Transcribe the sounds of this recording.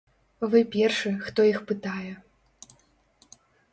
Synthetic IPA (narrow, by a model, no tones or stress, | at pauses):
vɨpʲɛrʂɨxt̪ɔixpɨt̪ajɛ